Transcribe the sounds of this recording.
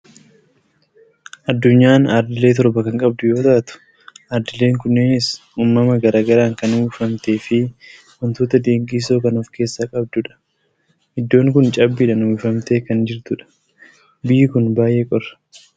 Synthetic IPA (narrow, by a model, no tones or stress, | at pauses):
ʔɐd̪ːʊɲːaːnɐɾd̪ɪle̞ːt̪ɔɾbɐkɐŋkʼɐb̚d̪ʊjo̞ːt̪ɐʔt̪ʊ̥ | ʔɐɾd̪ɪle̞ːŋkʊnːeːnɪs | uːmːɐmɐɡɐɾaːɡɐɾaːŋkɐnuːfɐmt̪e̞ːfɪ | wɔnt̪oːt̪ɐd̪e̞ːŋkʼiːso̞ːkɐnɔfke̞ːsːaːkʼɐb̚d̪ʊᶑɐ̥ | hɪd̪ːo̞ːŋkʊnt͡ʃʼɐbːiᶑɐnwuːfɐmt̪e̞ːkɐnd͡ʒɪɾt̪ʊᶑɐ̥ | bɪjːɪkʊnbaːjʔe̞ːkʼɔrɐ̥